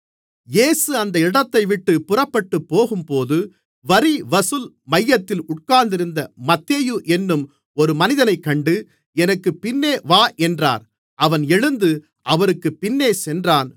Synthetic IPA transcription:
jeːsɯɐnd̪ɐɪɽɐt̪ːɐɪʋɪʈːɯpʊrɐpːɐʈːɯpːoːɣɯmpoːðɯ | ʋɐɾiʋɐsɯl | mɐjːɐt̪ːɪlʊʈ̚kaːnd̪ɪɾɯnd̪ɐmɐt̪ːeːjuʔɛnːɯm | ɔɾɯmɐnɪðɐnɐɪkːɐɳɖɯ | ɛnɐkːɯpɪnːeːʋaːʔɛndra̰ːɾ | ʔɐʋɐnɛɻɯnd̪ɯ | ʔɐʋɐɾɯkːɯpɪnːeːsɛndraːn

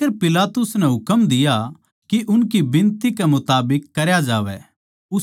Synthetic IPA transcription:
eɾpɪlaːt̪ʊsnɛɦʊkəmd̪ɪja | kiʔʊnkibɪ̃nt̪ikɛmʊt̪aːbɪkːɐɾjad͡ʒaːʋɛ̰ | ʊ

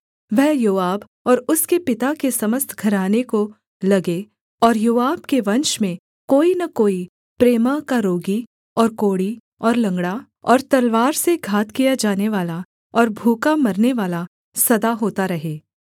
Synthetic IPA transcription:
ʋɛɦjoːaːb | ɔːɾʊskepɪt̪akesɐməst̪ʰɡʱɐɾaːneko | lɐɡe | ɔːɾjoːaːb̚keʋɐ̃nʃmẽ | koːinakoːi | pɾeːmakaɾoːɡi | ɔːɾkoːɽi | ɔːɾlɐ̃ŋɡɽa | ɔːɾt̪ɐlʋaːɾseɡʱaːt̪kijad͡ʒaːneʋaːla | ɔːɾbʱuːkamɐɾneʋaːla | sɐd̪aɦoːt̪aɾɐɦeː

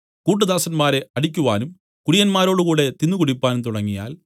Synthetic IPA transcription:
kuːʈ̬ːɨðaːsɐnmaːɾe̞ɐɽikʲːuʋaːnum | kuɽijɐnmaːɾo̞ːɽukuːɽe̞t̪inːukuɽipːaːnumt̪uɽɐŋːija̰ːl

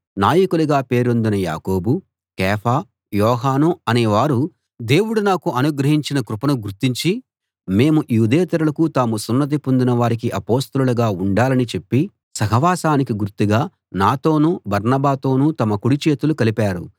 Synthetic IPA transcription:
naːjɐkuluɡaːpe̞ːɾo̞nd̪inɐja̰ːko̞ːbu | kɛːpʰaː | jɔːɦaːnuɐneːʋaːɾu | d̪e̞ːwuɽunaːkuʔɐnuɡɾɐɦiɲt͡ʃinɐkɾupɐnuɡuɾt̪iɲt͡ʃi | me̞ːmujuːd̪eːt̪ɐɾulɐkut̪aːmusunːɐt̪̬ipond̪inɐʋaːɾik̬iʔɐpo̞ːst̪ɐlulɐɡaːuɳɖaːlɐnit͡ʃepːi | sɐɦɐʋaːsaːnikiɡuɾt̪ːiɡaː | naːt̪o̞ːnubɐɾnɐbaːt̪o̞ːnut̪ɐmɐkuɽit͡ʃe̞ːt̪ulukɐlipaːɾṵ

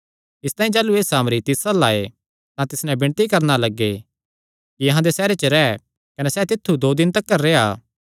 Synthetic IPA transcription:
ɪst̪aːĩd͡ʒaːlueːsaːmɾit̪ɪsalaːe | t̪ãt̪ɪsnɛ̃bɪɳ̃t̪ikɐɾnalɐɡːe | kiɐɦãd̪esɛːɾet͡ʃəɾɛ | kɐnesɛt̪ɪt̪ʰːud̪oːd̪ɪnt̪ɐkːəɾːeːaː

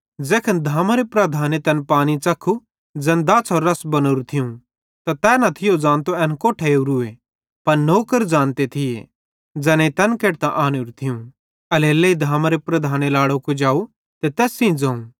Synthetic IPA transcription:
d͡zɛːkʰənd̪ʱaːmaɾepɾɐd̪ʱaːnet̪ɛnpaːñit͡ʃɐkʰːu | d͡zɛːnd̪aːt͡sʰɔɾːɐsbɐnoːɾut̪ʰɪjũ | t̪at̪ɛːnɐt̪ʰɪjod͡zãːnt̪oɛːnkoːʈʰeuɾʊe | pɐɾnoːkəɾd͡zãːnt̪et̪ʰɪḛ | d͡zɛːnet̪ɛːnkeːʈ̚t̪ãʔaːneːɾut̪ʰɪũ | ɐleːleid̪ʱaːmaɾepɾɐd̪ʱaːnelaːɽokod͡ʒaːu | t̪et̪ɛːsĩd͡zãːũ

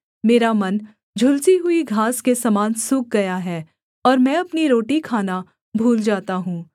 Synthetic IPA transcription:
meːɾamɐn | d͡ʒʱʊlsiɦʊiɡʱaːskesɐmaːnsʊk̚ɡɐjaɦɛː | ɔːɾmɛ̃ɐpniɾoːʈikʰaːna | bʱuːld͡ʒaːt̪aɦũː

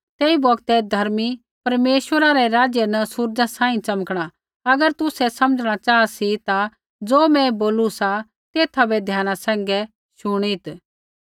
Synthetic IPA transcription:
t̪eːibɔɡt̪ɛd̪ʱɐɾmi | pɐɾmeːʃwəɾaɾɛɾaːd͡ʒjənɐsʊɾd͡ʒãsãːĩt͡ʃɐməkɽ̃a | ɐɡəɾt̪ʊsɛsɐməd͡ʒɽ̃at͡ʃaːsit̪a | d͡zoːmɛ̃boːlusa | t̪eːt̪ʰabɛd̪ʱjaːñasɛ̃ːŋ̆ɡɛ | ʃʊɽ̃it̪

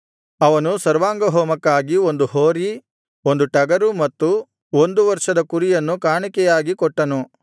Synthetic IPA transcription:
ɐʋɐnusɐɾʋaːŋɡɐɦɔːmɐkːaːɡio̞nd̪uhoːɾi | o̞nd̪uʈɐɡɐɾumɐt̪ːu | ond̪uʋɐɾʂɐd̪ɐkuɾijɐnːukaːɳikɛjaːɡikɔʈːɐnu

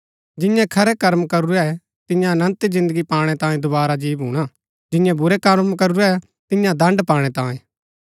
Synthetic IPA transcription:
d͡ʒɪ̃jãkʰɐɾɛkɐɾmkɐɾuɾɛɛ | t̪ɪ̃jãnə̃nt̪zɪ̃nd̪əɡipaːɽ̃ɛt̪ãːĩd̪ʊbaːɾad͡ʒiːbɦũɽ̃a | d͡ʒɪ̃jãbʊɾɛkɐɾmkɐɾuɾɛɛ | t̪ɪjãd̪ɐ̃ɳɖpãːɽ̃ɛt̪ãːĩː

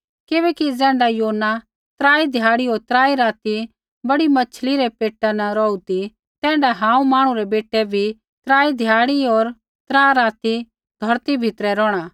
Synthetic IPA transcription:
kɪbɛːkid͡zɛ̃ːɳɖajoːnːa | t̪ɾaːid̪ʱjaːɽiɦoːɾt̪ɾaːiɾaːt̪i | bɐɽimɐt͡ʃʰliɾɛpeːʈːanɐɾɔːut̪i | t̪ɛ̃ːɳɖaɦãːũmaːɽ̃ũɾɛbeːʈːɛbʱi | t̪ɾaːid̪ʱjaːɽiɦoːɾ | t̪ɾaːɾaːt̪i | d̪ʱɔɾt̪ibʱɪt̪ɾɛɾɔːɽ̃aː

